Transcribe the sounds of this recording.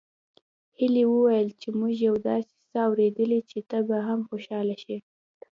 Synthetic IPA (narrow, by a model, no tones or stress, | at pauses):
hiliwəwajəlt͡ʃemuʒjawd̪ɑse̥saawɾed̪əlit͡ʃet̪abaɦamxoʃɑlaʃi